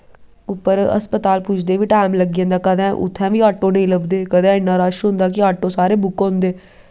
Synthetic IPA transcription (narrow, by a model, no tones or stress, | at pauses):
ʊpːəɾə̰spət̪aːlpʊt͡ʃʰd̪eːʋiːʈaːɪmləɡɪjãːnd̪aːkəd̪ɛ̃ːʔʊ̰t̪ʰːɛ̃ːʋiːaːʈːoːnəĩːləbd̪eːkəd̪ɛ̃ːɪnːaːɾaːʃɦʊ̃nd̪aːkɪaːʈːõːsaːɾeːbʊkɦõnd̪eː